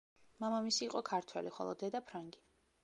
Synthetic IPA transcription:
mamamisiːqʼɔkʰaɾt̪ʰwɛliχɔ̰lˠɔ̰d̪ɛd̪apʰɾaŋɡi

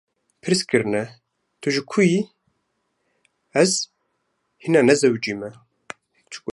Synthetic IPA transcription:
pʰɨɾskɨɾnɛ | t̪ʰuʒɨkʰui | ɛz | hinaːnɛzɛwd͡ʒiːmɛ | t͡ʃʰu̥k

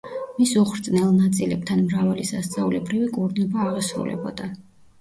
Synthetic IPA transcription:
misuχɾt̪sʼnɛlˠnat̪sʼilɛb̚t̪ʰanmɾavalisast̪sʼaulɛbɾivikʼuɾnɔbaːʁasɾṵlɛ̰bɔ̰d̪a

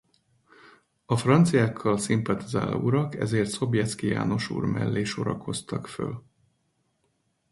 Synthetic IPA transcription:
ɒfrɒnt̪sijaːkʰːɒlsimpɒt̪iza̰ːlɒ̰uɾɒkɛ̰zeːrt̪so̞bjɛt̪skija̰ːno̞ʃṵːrmɛ̰lːeːʃo̞ɾɒ̰ko̞st̪ɒkfø̰l

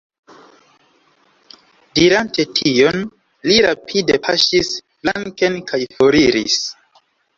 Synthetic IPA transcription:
diɾante̞tʰijo̞n | liɾapʰide̞pʰaʃis | blaŋkenkajfoɾiɾḭs

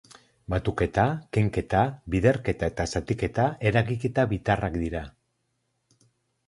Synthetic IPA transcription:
bat̪uke̞t̪akeŋke̞t̪aβiðe̞ɾke̞t̪ae̞t̪asat̪ike̞t̪ae̞ɾaɣike̞t̪aβit̪arakd̪iɾa

